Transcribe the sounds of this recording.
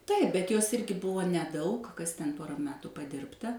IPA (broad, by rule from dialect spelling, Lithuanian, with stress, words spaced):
ˈtɐɪp bʲɛt joːs ˈɪrʲɡʲɪ ˈbʊʋoː nʲɛˈdɐʊk ˈkɐs tʲɛn ˈpoːrɐ ˈmʲæːtʊ pɐˈdʲɪrptɐ